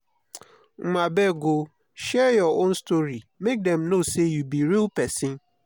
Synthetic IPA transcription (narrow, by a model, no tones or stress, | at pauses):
m̩mabɛɡo | ʃɛjɔõnstoɹimek̚dɛ̃mnosejubiɾilpɛsɪ̃n